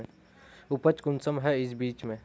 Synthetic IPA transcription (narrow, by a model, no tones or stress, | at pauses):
ʊpət͡ʃkʊnsəmɦɛɪs̬biːt͡ʃmẽ